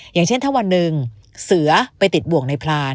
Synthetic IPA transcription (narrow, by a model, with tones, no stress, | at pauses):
jaː˨˩ŋt͡ɕʰe˥˩nt̪ʰa˥˩wa˧nːɯ˨˧ŋ | sɯ˨˩˦ɐpa˧jt̪i˨˩t̪̚bu˨˩ək̚na˧jpʰlaː˧